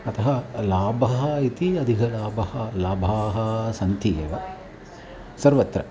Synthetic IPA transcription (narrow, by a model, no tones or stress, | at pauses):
ɐt̪ʰɐɦɐlaːbʱɐɦɐit̪iɐd̪ʱiɦɐlaːbɐhɐlaːbʱaːɦɐsɐnt̪ʰijɐ̰ʋɐ | sɐɾʋɐt̪ɾɐ̰